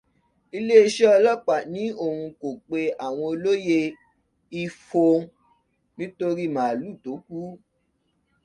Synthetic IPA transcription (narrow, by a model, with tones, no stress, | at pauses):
i˧le˦i˧ʃɛ˦ɔ˧lɔ˦k͡pa˨nĩ˨˦o˦˨hũ˧ko˨k͡pe˧a˨w̃ɔ̃˧o˧lo˦je˧ | i˧fo˧ | nĩ˦to˧ɾi˦˨mãː˨lu˦˨to˨˦ku˦